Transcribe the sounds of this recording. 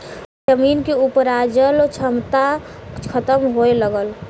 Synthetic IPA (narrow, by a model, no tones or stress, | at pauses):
d͡ʒəmiːnkeupɾad͡ʒəlot͡ʃʰəmt̪akʰət̪əmɦoeləɡəl